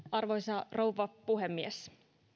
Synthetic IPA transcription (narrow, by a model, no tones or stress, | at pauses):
ɑrʋojsɑrowʋɑpuɦemːies